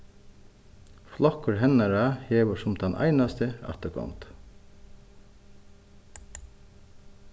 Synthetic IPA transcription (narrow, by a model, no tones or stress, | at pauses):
flɑkəɹhɛnəɾæheːʋəʃʊmd̪̥ɛnʔæ̰ɪnɑst̪əæ̰t̪əkʰɑ̰mt̪